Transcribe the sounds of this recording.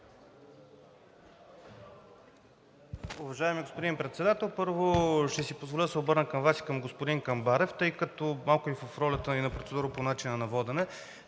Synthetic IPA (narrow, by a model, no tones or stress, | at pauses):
ʊvɐʒaɛmiɡospod̪impɾɛt̪sɛd̪at̪ɛlˠpɤɾvoʃt̪ɛsipozvolʲiəd̪ɐsɛobɤɾnəkɐmvasi̥kəmɡospod̪iŋkɐmbaɾɛft̪ɤjkɐt̪ɔmalˠkʊivəfɾɔlʲɐt̪əinɐpɾot̪sɛd̪uɾəponat͡ʃinənɐvɔd̪ɛnɛ